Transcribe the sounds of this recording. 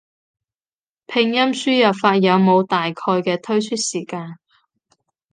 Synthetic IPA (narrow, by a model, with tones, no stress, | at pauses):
pʰɪ˧ŋjɐ˥msyː˥jɐ˨pfaː˧t̚jɐ˨˧wmo˨˧wt̪aː˨jkʰɔː˧jkɛː˧t̪ʰɵ˥ɥt͡ʃʰy˥t̚siː˨˩kaː˧n